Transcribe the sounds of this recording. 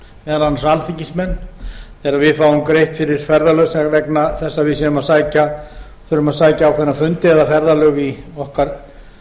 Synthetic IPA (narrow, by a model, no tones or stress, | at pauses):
mɛːðalanːasanfiɲcɪsmɛnːθɛːɾavɪðfaːwʏmkɾejht̪fɪɾɪɾ̥fɛɾðalœɣsɛvɛknaθɛsːavɪsɛnʏmaðsaːjca | θœɾʏmaðsaːjcaːwkʰɛnːafʏnt̪ɪɛðafɛɾðalœɣiɔhkaɾ̥